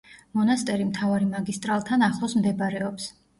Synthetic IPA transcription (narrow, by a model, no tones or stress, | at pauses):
mɔnast̪ʼɛɾimt̪ʰavaɾimaɡist̪ʼɾalˠt̪ʰanaχlˠɔsmd̪ɛbɾɛɔps